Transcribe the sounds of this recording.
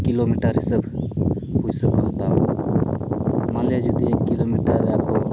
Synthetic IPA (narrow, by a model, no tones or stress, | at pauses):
kilomiʈəɾsəb | ɦujsokəɦt̪ao | maljad͡ʒud̪iekːilomiʈəɾako